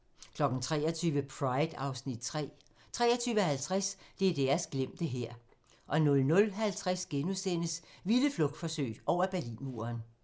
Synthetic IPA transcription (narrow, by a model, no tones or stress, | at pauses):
kʰlɒ̽ɡ̥n̩t͡sʰʁɛ̰ːɐt͡sʰyːʋəpʰʁɑ̈ɪd̥ɑ̈ʊsnid̥ | t͡sʰʁɛːɐt͡sʰyːʋəhælt͡sʰʁasd̥e̝æɐd̥æɐsɡ̥lem̰d̥əɦeɐ̰ | ʔɒ̽nɔ̽lnɔ̽lɦælt͡sʰʁasɡ̥enusen̰əsʋiləflɔɡ̥̚d̥fɒ̽sø̰ɪ̥ʔɒʊ̰ɐb̥æɐlḭːnmuːɐn